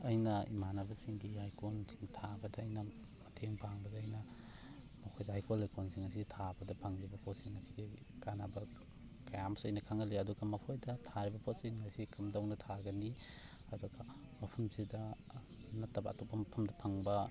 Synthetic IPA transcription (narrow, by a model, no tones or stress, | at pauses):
ɐjnɐimanɐbɐsiŋɡihajkonsi̥ŋtʰabɐdɐːjnɐ | mɐtʰeŋpʰaŋbɐdɐːjnɐ | mɐkʰojdɐɦajkolajkonsiŋas̬itʰabɐdɐpʰɐŋɾibɐpʰot̚siŋɐsiɡi | kanabɐ | kɐjamsɐjnɐkʰaŋɐliɐduɡɐmɐkʰojdɐtʰaɾibɐpʰot̚siŋːajsikʰɐmdɐwnɐtʰaɡɐni | ɐduɡɐ | mɐpʰɐmsidɐ | nɐtːɐbɐ̰ɐtopːɐmɐpʰɐmdɐpʰɐŋbɐ